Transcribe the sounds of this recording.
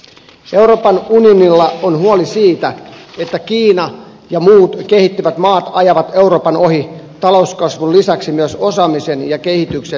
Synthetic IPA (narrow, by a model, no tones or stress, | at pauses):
e̞uɾo̞ːpɑnunionilːɑonhuolisiːt̪æe̞t̪ːækiːnɑ | jɑmuːt̪ke̞hit̪ːyʋæt̪mɑːt̪ɑjɑʋɑt̪e̞uɾo̞ːpɑno̞ɦit̪ɑlo̞uskɑsʋullisæksimyøso̞sɑːmisenjɑke̞hit̪ykse